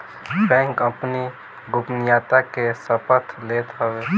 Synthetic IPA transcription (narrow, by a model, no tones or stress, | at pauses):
bɛ̃ːŋkəpni | ɡʊpnijaːt̪akesəpət̪ʰlet̪ɦəwe